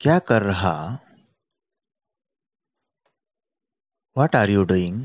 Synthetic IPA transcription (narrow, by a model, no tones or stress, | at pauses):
kjakəɾːəɦa̰ | ʋaʈaɾjoɖəiŋɡ